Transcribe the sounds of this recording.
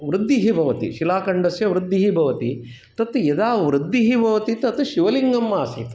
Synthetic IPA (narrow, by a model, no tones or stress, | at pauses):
ʋɾɪd̪ːiɦibʱɐʋɐt̪ḭʃilaːkɐɳɖɐsjɐʋɾɪd̪ːiɦibʱɐʋɐt̪i | t̪ɐt̪jɐd̪aːʋɾɪd̪ːiɦibʱɐʋɐt̪it̪ɐt̪ʃiʋɐliŋɡɐmːaːsḭt̪